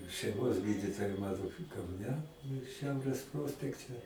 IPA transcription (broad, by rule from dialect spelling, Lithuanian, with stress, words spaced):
ʃʲɛɪˈmoːs ˈɡʲiːdʲɪtoːjɛ ˈmɑːnoː kɐʊˈnʲɛ ˈʃʲɛʊrʲeːs ˈproːsʲpʲɛktʲɛ